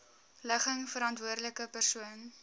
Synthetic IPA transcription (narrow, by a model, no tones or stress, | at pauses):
ləχəŋfəɾɐntvuərdləkəpərsuən